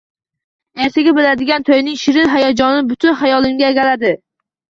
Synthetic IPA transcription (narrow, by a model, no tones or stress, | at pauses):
e̞ɾt̪ʰɪɡʲabɪlad̪ɪɡʲant̪ʰojnɪŋʃɪɾɪɦajad͡ʒɒnɪbʊt̪ʰʊnhajɒlˠɪmɡʲaeɡʲalad̪ɪ